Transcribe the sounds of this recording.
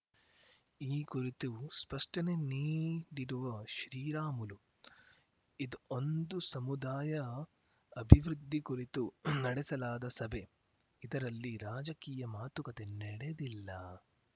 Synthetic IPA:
iːkuɾit̪uspɐʂʈɐneniːɖiɾuʋɐʃɾiːɾaːmulu | id̪uond̪usɐmud̪aːjɐ | ɐbʱiʋɾud̪ʱːikuɾit̪unɐɽɛsɐlaːd̪ɐsɐbʱe̞ | id̪ɐɾɐlːiɾaːd͡ʒɐkiːjɐmaːt̪ukɐt̪e̞nɛɽed̪ilːɐ

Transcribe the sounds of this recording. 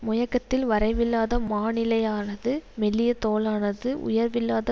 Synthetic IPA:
mʊjɐkːɐt̪ːɪlʋɐɾɐɪʋɪlːaːðɐmaːnɪlɐjaːnɐðɯmɛlːɪjɐt̪oːlaːnɐðɯʔʊ̰jɐɾʋɪlːaːðɐ

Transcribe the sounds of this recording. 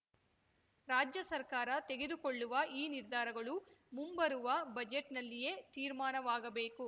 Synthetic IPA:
ɾaːd͡ʒjɐsɐɾkaːɾɐt̪e̞ɡe̞d̪ukoɭːuʋɐʔiːniɾd̪ʱaːɾɐɡɐɭumumbɐɾuʋɐbɐd͡ʒeʈnɐlːije̞ːt̪iːɾmaːnɐʋaːɡɐbe̞ːku

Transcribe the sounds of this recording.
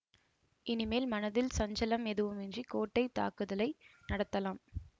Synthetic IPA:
ɪnɪmeːlmɐnɐðɪlsɐɲd͡ʒɐlɐmɛðɯʋɯmɛndrikoːʈːɐɪt̪ːa̰ːkɯðɐlɐɪnɐɽɐt̪ːɐlaːm

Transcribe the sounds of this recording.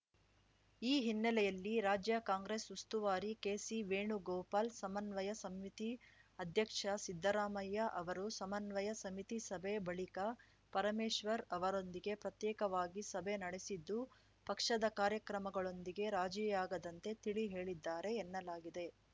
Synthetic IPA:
iːɦinːɐlɛjɐlːiɾaːd͡ʒjɐkaːŋɡɾeːsust̪uʋaːɾikeːsiʋeːɳuɡoːpaːlsɐmɐnʋɐjɐsɐmːit̪iɐd̪ʱjɐkʂɐsid̪ʱːɐɾaːmɐjːɐʔɐʋɐɾusɐmɐnʋɐjɐsɐmit̪isɐbebɐɭikɐ | pɐɾɐmeːʃʋɐɾɐʋɐɾo̞nd̪iɡe̞pɾɐt̪jɛːkɐʋaːɡisɐbʱe̞nɐɽesid̪ːu | pɐkʂɐd̪ɐkaːɾjɐkɾɐmɐɡɐɭo̞nd̪iɡe̞ɾaːd͡ʒijaːɡɐd̪ɐnt̪e̞t̪iɭiɦe̞ːɭid̪ːaːɾe̞ːnːɐlaːɡid̪e̞

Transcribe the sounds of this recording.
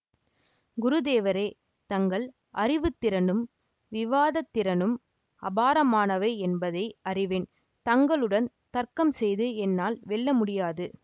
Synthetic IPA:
ɡʊɾɯðeːʋɐɾeː | t̪ɐŋɡɐɭ | ʔɐɾɪʋɯt̪ːɪɾɐnɯm | ʋɪʋaːðɐt̪ːɪɾɐnɯm | ɐbaːɾɐmaːnɐʋeːɛnbɐðɐɪɐrɪʋɪn | t̪ɐŋɡɐɭɯɽɐn | t̪ɐɾkɐmsɛjðɯɛnːaːlʋɛɭːɐmʊɽɪjaːðɯ

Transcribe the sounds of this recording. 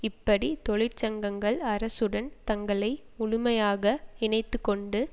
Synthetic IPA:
ɪpːɐɽit̪ɔɭɪɾt͡ʃɐŋɡɐŋɡɐɭɐɾɐsɯɽɐnt̪ɐŋɡɐɭɐɪʊɻʊmɐjaːɣɐɪɳɐɪt̪ːɯkːɔɳɖɯ

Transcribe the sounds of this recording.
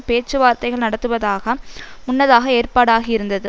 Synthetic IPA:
peːt͡ʃːɯʋaːɾt̪ɐɪɣɐɭnɐɽɐt̪ːɯʋɐðaːɣɐmʊnːɐðaːɣɐeːrpaːɽaːɣɪɪɾɯnd̪ɐðɯ

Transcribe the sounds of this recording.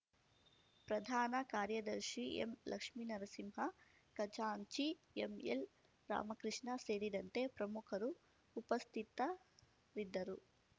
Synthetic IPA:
pɾɐd̪ʱaːnɐkaːɾjɐd̪ɐɾʃiḛmlʔɐ̰kʂminɐɾɐsimɦɐ | kɐt͡ʃaːɲt͡ʃi | emel | ɾa̰ːmɐkɾiʂɳɐse̞ːɾid̪ɐnt̪e̞pɾɐmukʰɐɾuː | pɐst̪ʰit̪ɐ | ɾid̪ːɐɾu

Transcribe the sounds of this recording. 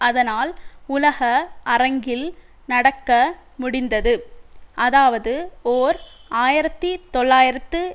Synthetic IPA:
ɐðɐnaːlʊlɐɣɐɐɾɐŋɡɪl | nɐɽɐkːɐmʊɽɪnd̪ɐðɯʔɐðaːʋɐðɯoːɾaːjɪɾɐt̪ːit̪ɔɭːaːjɪɾɐt̪ːɯ

